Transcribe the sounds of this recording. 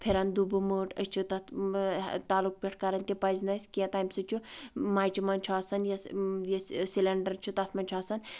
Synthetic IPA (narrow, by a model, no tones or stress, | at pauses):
pʰiɾɐnd̪ubuməʈʰət͡ʃʰut̪ɐt̪ʰ | t̪aːluk̚pʲeʈʰkɐɾɐnʲt̪ʲipɐzʲnɐsʲkiɐt̪aːjmsɨt͡ʃʰumaːjt͡ʃʰimɐnʲt͡ʃʰuaːsɐnjɐjɐsilɐɳɖɐɾt͡ʃʰut̪ɐt̪ʰmɐnʲt͡ʃʰaːsɐn